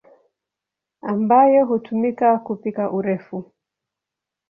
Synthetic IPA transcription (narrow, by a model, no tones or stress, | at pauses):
ambajɔɦutʰumikakupikaʔuɾɛfu